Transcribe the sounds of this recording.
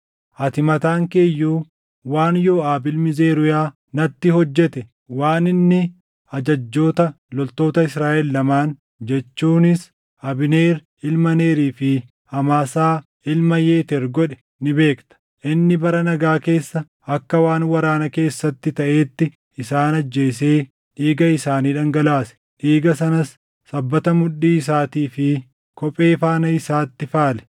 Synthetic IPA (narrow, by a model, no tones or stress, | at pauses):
ʔɐt̪ɪmɐt̪aːŋkeːjːuː | waːnjoːaːbɪlmɪze̞ːɾʊjaː | nɐt̪ːɪhɔd͡ʒːɛt̪ɛ | waːnɪnːɪ | ɐd͡ʒɐd͡ʒːo̞ːt̪ɐ | lɔlt̪o̞ːt̪ɐɪsɾaːʔɛlːɐmaːn | d͡ʒɛt͡ʃːuːnɪs | ɐbɪneːɾ | ɪlmɐne̞ːɾiːfɪ | ɐmaːsaː | ɪlmɐje̞ːt̪ɛɾɡɔᶑɛ̥ | nɪbe̞ːkt̪ɐ̥ | ʔɪnːɪbɐɾɐnɐɡaːke̞ːsːɐ | ɐkːɐwaːnwɐɾaːnɐke̞ːsːɐt̪ːɪt̪ɐʔe̞ːt̪ːɪ | ɪsaːnɐd͡ʒːe̞ːseː | ᶑiːɡɐɪsaːniːᶑɐŋɡɐlaːsɛ̥ | ᶑiːɡɐs̬ɐnɐsː | ɐbːɐt̪ɐmʊᶑːiːɪs̬aːt̪iːfɪ | kɔpʼe̞ːfaːnɐɪsaːt̪ːɪfaːlɛ̥